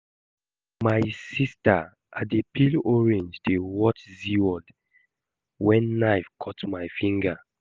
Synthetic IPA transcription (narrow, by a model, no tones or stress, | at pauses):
majsista | ʔatdepʰilɔɹẽnd͡ʒdewɔtziɔ̃nd | wɛ̃nːaɪfkʰɔtmajfĩŋɡa